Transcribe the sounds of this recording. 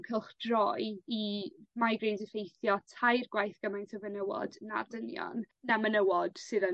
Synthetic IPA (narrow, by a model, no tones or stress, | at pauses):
kʰəlˠχd̥rɔjimajɡrindəfejθjɔtʰajrɡ̥wajθɡ̥əmajntʰəvənəwɔ̰dna̰rdənjɔ̰nː | amənəwɔd̥sɨðə